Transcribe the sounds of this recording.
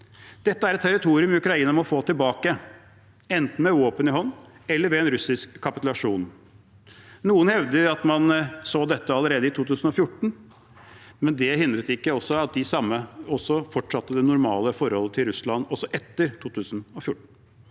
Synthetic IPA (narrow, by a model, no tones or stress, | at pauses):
d̪̥ɛt̪ːəæɾɛt̪t̪ʰːɛɾɪt̪ʰuːɾɪʉmɪʉkɾɑiːnəmɔfoːt̪ɪlbɑːkə | ɛnt̪n̩mɛʋoːpənɪɦɔnːɛlːəɾʋɛɛnɾʉsɪskʰːɑpɪt̪ʉlɑʂuːn | nuːənhɛʋd̪əɾɑt̪mɑnsoːd̪ɛt̪ːəɑlːəɾeːd̪əɪt̪ʰuːt̪ʉːsən̩ɔfjʊʈːɳ̩ | mɛnd̪ɛhɪnd̪ɾət̪ɪkːəɔsːɔɑt̪̚d̪ɪsɑmːəɔsːɔfɔʈʂɑt̪ːəd̪ɛnʊɾmɑ̰ːləfɔɾhɔlːət̪ʰɪlɾʉslɑnd̪ɔsɔʔɛt̪ːəɾt̪ʰuːt̪ʰʉːsənɔfjʊʈːɳ̩